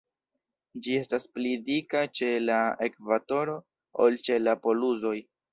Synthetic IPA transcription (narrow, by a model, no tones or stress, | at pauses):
d͡ʒie̞stasplidikat͡ʃe̞laekvato̞ɾo̞ | o̰lt͡ʃe̞lapo̞luzo̞j